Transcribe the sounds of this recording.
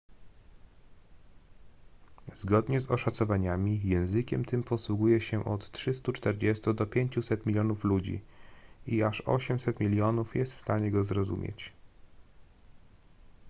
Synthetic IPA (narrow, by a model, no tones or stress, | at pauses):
zɡɔd̪ɲɛzɔʂat̪sɔvaɲamʲijɛ̃w̃zɘkʲɛmt̪ɘmpɔswuɡujɛɕɛʔɔt̪tʂɘst̪ut͡ʂt̪ɛɾd͡ʑɛst̪ud̪ɔpʲjeɲt͡ɕusɛt̪mʲilʲjɔnuflud͡ʑḭ | iaʂɔ̰ɕɛmsɛt̪mʲilʲjɔnufjɛst̪fst̪aɲɛɡɔzɾɔzṵmʲjɛ̰t͡ɕ